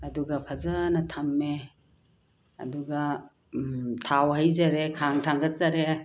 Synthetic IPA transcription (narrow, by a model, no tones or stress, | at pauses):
ɐduɡapʰazanɐtʰamːe | ɐ̰duɡa | tʰawhajzaɾekʰaŋtʰaŋɡɐt͡ʃaɾe